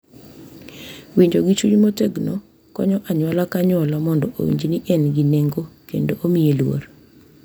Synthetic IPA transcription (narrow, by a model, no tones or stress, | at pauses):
wiɲd͡ʒoɡit͡ʃuɲmoteɡno | kɔ̰ɲɔʔaɲwalakaɲɔlamɔndɔʔo̰wḭɲd͡ʒiniʔɛnɡineŋɡokendoʔomijelwo̰r